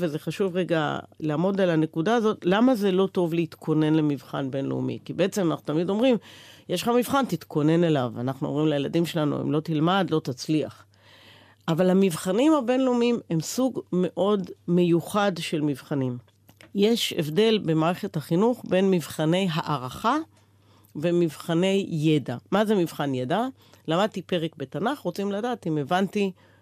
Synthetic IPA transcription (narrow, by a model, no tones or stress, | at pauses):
veze̞χaʃuvʁeɡa̰laːmo̞dalane̞kudaːzo̞tlamazelo̞to̞vleit̪kʰo̞ne̞nlemivχa̰nbe̞nlḛṵmḭkibee̞t͡se̞manaχnu̥t̪amido̞mʁimjeʃlχamivχantit̪kʰo̞ne̞ne̞lavanaχnuomʁimlajeladimʃe̞lanṵḛmlo̞t̪ilmadlo̞t̪at͡slia̰χ | ʔavalhamivχanimabe̞nleumime̞msuɡme̞ʔo̞dme̞juχadʃe̞lmivχanim | jeʃḛvde̞lbe̞maːʁe̞χe̞thaχinuχbe̞nmivχane̞jɦaʔaʁaχa | ve̞mivχane̞jːedamaze̞mivχanjeda | lamad̪̚t̪ipe̞ʁek̚be̞tanaχʁot͡simladaːtimevanti